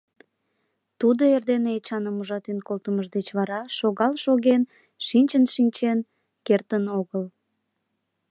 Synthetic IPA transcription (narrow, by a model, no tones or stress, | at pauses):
t̪ud̪oerd̪eneet͡ɕɑnəmuʒɑt̪enkolt̪əməʒd̪et͡ɕβɑɾɑʃoɣɑlʃoɣen | ʃinʲt͡ɕənʃinʲt͡ɕen | kert̪ənoɣəl